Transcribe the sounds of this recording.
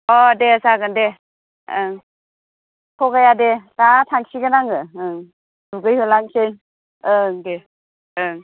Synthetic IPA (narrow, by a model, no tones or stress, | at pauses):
ɔdesaɡɯnde | ɯ | kʰɔɡajadetatʰaŋsiɡɯnaŋɯɯŋ | duɡɯjhɯlaŋsen | ɯŋde | ɯŋ